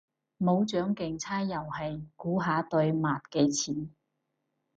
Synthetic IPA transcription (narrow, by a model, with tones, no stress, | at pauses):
mo˨˧wt͡ʃœː˨˥ŋkɪ˨ŋt͡sʰaː˥jjɐ˨˩whɐ˨jkuː˨˥ɦaː˨˧˥t̪ɵ˧ɥmaː˨t̚ke˧jt͡sʰiː˨˩n